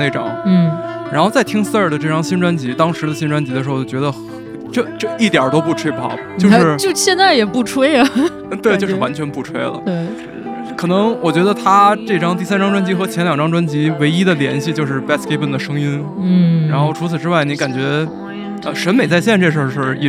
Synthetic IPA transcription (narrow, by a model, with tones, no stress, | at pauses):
ne˥˩ʈ͡ʂɑ̰˨˩˦ŋ̩˥˩ɻa˧˥nxo˥˧t͡sa˥˩ɪt̪ʰi˥ŋsə˥˩d̪ə˩ʈ͡ʂɤ˥˩ʈ͡ʂɑ˥ŋɕi˥nʈ͡ʂwa˥nt͡ɕi˧˥t̪ɑ˥ŋʂɻ̩˧˥d̪ə˧ɕi˥˧nʈ͡ʂwa˥nt͡ɕi˧˥d̪ə˧ʂɻ̩˧˥o˥˩˥t͡ɕɥɛ˧˥ə˧x | ʈ͡ʂɤ˥˧ʈ͡ʂɤ˥˧i˥˩t̪jə̰˞˨˩t̪o˥ʊpu˥˩ʈ͡ʂʰwe˥ɪpʰɑ̰˥˩ʊt͡ɕjo˥˧ʊʂɻ̩˥˩t͡ɕjo˥˧ʊɕjɛ˥˧nt͡sa˥˩ɪjɛ˨˩pu˥˩ʈ͡ʂʰwe˥ɪɐ˨ | t̪we˥˧ɪt͡ɕo˥˧ʊʂɻ̩˥˩wa˧˥nt͡ɕʰɥɛ˧˥npu˥˩ʈ͡ʂʰwe˥ɪlə̰˨te˥˩ | kʰɤ˨˩nɤ˧˥ŋwɔ˨˩t͡ɕɥɛ˧˥d̪ə˧t̪ʰa˥ʈ͡ʂɤ˥˩ʈ͡ʂɑ˥ŋt̪i˥˩sa˥nʈ͡ʂɑ˥ŋʈ͡ʂwa˥nt͡ɕi˧˥xɤ˧˥t͡ɕʰjɛ˧˥nljɑ˨˩ŋʈ͡ʂɑ˥ŋʈ͡ʂwa˥nt͡ɕi˧˥we˧˥ɪi˥d̪ə˨ljɛ̰˧˥nɕi˥˧t͡ɕjo˥˧ʊʂ̬ɻ̩˥˩pæ˥˩ske˥pə˥˩d̪ə˩ʂɤ˥ŋi˥n̩˥˩ | a˧˥nxo˥˩ʊʈ͡ʂʰu˧˥t͡s̩ʰ˨˩ʈ͡ʂɻ̩˥wa˥˩ɪni˧˥ka˨˩nt͡ɕɥɛ˧˥ | ə̰˧ʂə˧˥nme˨˩ɪt͡sa˥˧ɪɕjɛ˥˧nʈ͡ʂɤ˥˩ʂ̬ə˞˥˧ʂ̩˥˩ḭ˥˩